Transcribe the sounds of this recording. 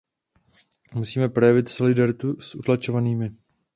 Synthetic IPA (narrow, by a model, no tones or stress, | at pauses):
musiːmɛpɾo̞jɛvɪt̪so̞lɪdaɾɪt̪usʔut̪lat͡ʃo̞vaniːmɪ